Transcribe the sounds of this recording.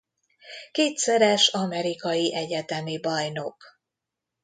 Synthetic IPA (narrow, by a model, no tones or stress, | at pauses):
keːt̪sɛɾɛʃɒmɛɾikɒjiʔɛɟɛt̪ɛmibɒjno̞k